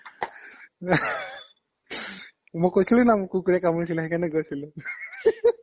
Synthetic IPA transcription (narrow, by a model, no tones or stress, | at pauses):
mʊkːojsilunamʊkːukuɹiakamojs̬ilɛɦɛkanɛɡojsilʊ̃